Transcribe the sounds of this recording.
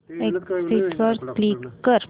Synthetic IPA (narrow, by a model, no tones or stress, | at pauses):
eksiʈʋəɾklikːəɾ